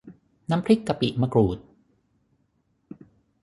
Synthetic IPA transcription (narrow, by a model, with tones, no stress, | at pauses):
na˦˥mpʰɾi˦˥kːa˧pḭ˨˩ʔma˧kɾuː˨˩t̪̚